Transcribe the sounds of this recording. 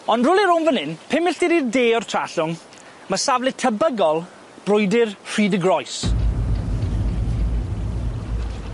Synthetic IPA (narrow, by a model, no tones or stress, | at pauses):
ɔndrʊlˠiɾʊmvənɪnpʰɪmɪɬdiɾirdeːɔrtʰr̥aɬʊŋ | məsavlˠɪtʰəbəɡɔlˠ | b̥rʊjdɪrr̥iːdəɡrɔjs